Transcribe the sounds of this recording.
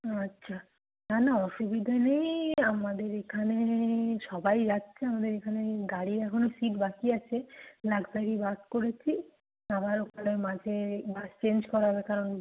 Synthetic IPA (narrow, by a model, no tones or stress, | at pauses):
atːɕʰa | nanaɔʃubid̪ʱanejamad̪eɾekʰaneʃɔbajd͡ʑatːt͡ɕʰeamad̪eɾekʰaneɡaɽiɾɛkʰonosiʈbakiat͡ɕʰelakbaɡibat̪̚koɾet͡ɕʰi | abaɾokʰanemad͡ʑʱebad͡ʑt͡ɕend͡ʑkɔɾaɦɔbekaɾon